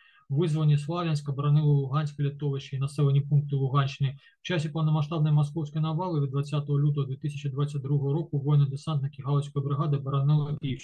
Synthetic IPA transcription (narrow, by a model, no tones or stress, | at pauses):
vɨzvɐnʲːɛslˠavʲjɐnsʲkɐbɐɾanɛlˠɐlˠuɣanʲsʲkɐlʲit̪ɔvʲɪt͡ʃɐinasɛlˠɐnʲipunk̚t̪ɨlˠuɣant͡ʃɨnɨ | wt͡ʃas̬ʲɛpɐwnɐmaʂt̪abnɨjɐmaskɔwsʲkɐjnavalˠɨvʲid̪d̪vat̪sʲːat̪ɐɣɐlʲut̪ɐɣɐd̪vʲɛt̪ɨsʲɐt͡ʃɐd̪vat̪sːɐt̚ʲd̪ɾuɦɐɦɐɾɔkuvɔjnɐd̪ɛsant̪nɐkʲiɣalˠɐwsʲkɔjɛbɾɨɣad̪ɨbɐɾanɛlˠɐpʲit͡ʃ